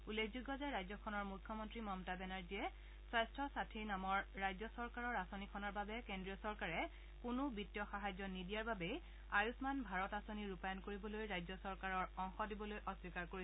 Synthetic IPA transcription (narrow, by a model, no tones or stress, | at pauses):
ulekʰzuɡɔzɛɹajzɔkʰɔnɔɹmukʰjɔmɔntɹimɔmtabɛnaɹziɛ | swajstʰɔsatʰiɹnamɔɹːajzɔsɔɹkaɹɔɹasonikʰɔnɔɹbabɛkendɹijɔsɔɹkaɹɛ | kʊnʊbitːijɔxaɦazɔnidijaɹbabɛj | ajusmanbʱaɹɔtasoniɹupajɔnkoɹibɔlojɹajzɔsɔɹkaɹɔɹɔŋxɔdibɔlojʔɔswikaɹkoɹi